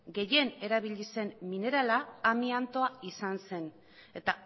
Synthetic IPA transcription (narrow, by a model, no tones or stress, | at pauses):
ɡe̞je̞ne̞ɾaβiʎise̞mmine̞ɾalaːmiant̪o̞aisanse̞n | e̞t̪a